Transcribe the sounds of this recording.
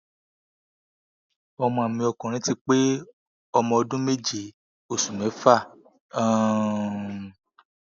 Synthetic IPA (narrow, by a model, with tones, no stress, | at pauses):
ɔ˧mɔ̃˧a˨mĩ˧ɔ˧kɔ̃˨ɾ̃ĩ˦ti˦k͡pe˦ | ɔ˧mɔ̃˧ɔ˧dũ˦me˦d͡ʒi˨ | o˨su˨mɛ̃˨˦fa˦˨ | ã˦˨